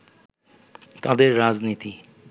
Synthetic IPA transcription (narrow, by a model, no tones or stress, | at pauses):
t̪ad̪eɾːad͡ʒnit̪i